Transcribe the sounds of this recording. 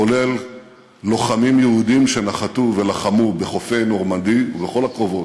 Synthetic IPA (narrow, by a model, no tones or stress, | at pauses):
ole̞lː | o̞χamimjeud̪imʃe̞naχat̪uve̞laχamube̞χo̞fe̞jno̞ʁmand̪iubeχo̞lakʁo̞vo̞t